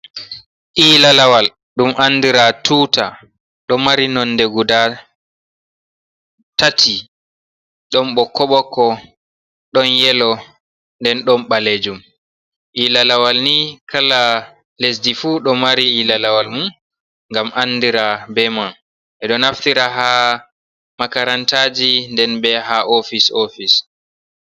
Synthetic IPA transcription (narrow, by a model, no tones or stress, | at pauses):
ʔiːlalawal | ɗumʔanːdiɾatʰuːta | ɗɔmaɾinɔndɛɡuda | tatʰi | ɗɔnɓɔkːɔɓɔkɔ | ɗɔnjɛlɔ | ndɛnɗɔnɓaled͡ʒum | ʔilalawalnikʰala | les̬difuɗɔmaɾiilalawalmun | ŋɡamʔanːdiɾabɛman | ʔɛɗɔnaftiɾaɦa | makaɾantad͡ʒindɛnbɛɦaʔofisofis